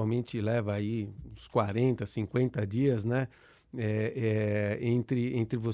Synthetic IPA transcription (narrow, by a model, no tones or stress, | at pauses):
awmẽnt͡ʃɪlɛvɐːiũskwaɾẽnt̪ɐsĩŋkwẽnt̪ɐd͡ʒiɐznɛ | ɛɛẽt̪ɾɪẽnt̪ɾɪvo